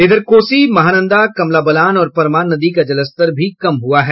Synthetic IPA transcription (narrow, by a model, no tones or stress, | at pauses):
eːd̪əɾkoːsimɐɦaːnə̃nd̪akɐmlaːbɐlaːnɔːɾpɐɾmaːnːɐd̪ikad͡ʒɐləst̪əɾbʱikɐmɦʊaɦɛː